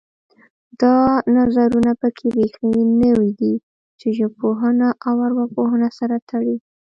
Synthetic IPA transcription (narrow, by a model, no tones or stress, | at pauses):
d̪ɑnazaɾunapəkʰeɾexinəwid̪i | t͡ʃeʒapoɦənaʔawaɾwapoɦənasaɾat̪ʰaɽi